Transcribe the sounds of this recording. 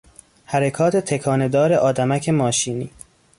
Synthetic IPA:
hæɾekʰɒːt̪ʰe̞t̪ʰekʰɒːne̞d̪ɒːɾeʔɒːd̪æmæcʰe̞mɒːʃiːniː

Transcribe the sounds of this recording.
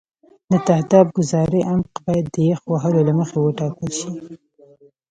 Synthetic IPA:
d̪ət̪ahd̪ɑb̚ɡʊzɑɾəʔamqbɑjad̪ːəjexwaɦəlolaməxewəʈɑkəlʃi

